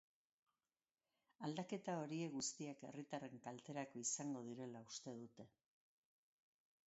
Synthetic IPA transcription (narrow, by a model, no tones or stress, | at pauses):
ald̪ake̞t̪ao̞ɾie̞ɣust̪iake̞̰rit̪are̞ŋkalt̪e̞ɾako̞isaŋɡo̞ð̞iɾe̞laust̪e̞ðut̪e̞